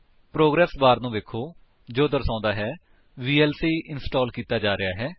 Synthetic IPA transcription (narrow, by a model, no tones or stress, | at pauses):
pɾoːɡɾɛːsbaːɾnũːʋeːkʰːoː | d͡ʒoːd̪əɾsãːnd̪aːɦɛː | ʋiːɛːlsiːʔɪnsʈɔːlkiːt̪aːd͡ʒaːɾɪjaːɦɛː